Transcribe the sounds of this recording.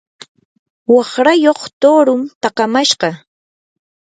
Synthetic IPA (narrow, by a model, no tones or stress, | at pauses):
wɑχɾajoχt̪oɾʊmt̪ɑqɑmaʃɢɑ